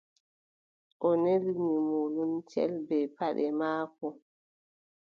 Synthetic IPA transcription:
ʔɔnelimimolumt͡ʃɛ̰lbɛpaɗɛmaːkɔ

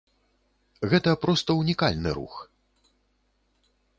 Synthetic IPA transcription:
ɣɛt̪ɐpɾɔst̪ɐunʲikalʲnɨ̰ɾṵx

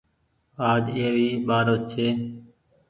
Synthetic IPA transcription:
aːd͡ʒɪeːʋiːɓaːɾost͡ʃʰeː

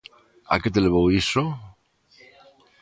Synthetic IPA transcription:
a̰ket̪̬eleβowiso

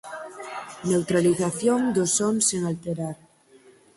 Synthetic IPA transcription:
ne̞wt̪ɾaliθaθjond̪osonseŋalt̪eɾaɾ

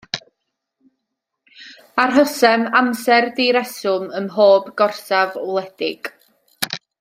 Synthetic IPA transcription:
arɦəsɛmamsɛrdiɾɛsʊmənɦoːbɡɔrsavɔlˠɛd̥ɪ̰ɡ̥

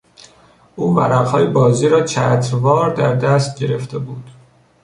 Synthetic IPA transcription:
ʔuːmæɾæɣhɒːjebɒːziːɾɒːt͡ʃʰæːt̪ʰɾvɒːɾd̪æɾd̪æst̪̚ɟe̞ɾe̞ft̪ebuːd̪̥

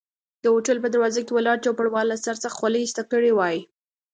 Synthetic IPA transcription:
d̪̥əoʈəlpəd̪əɾwɑzakewəlɑɾt͡ʃawpaɽwɑlːasaɾsaxxwaleist̪akəɽewɑji

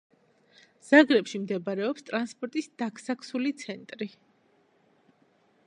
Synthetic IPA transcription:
z̥aɡɾɛpʃimd̪ɛbaɾɛɔpst̪ʼɾanspʼɔɾt̪ʼisd̪̥akʰsakʰsulit̪sʰɛnt̪ʼɾi

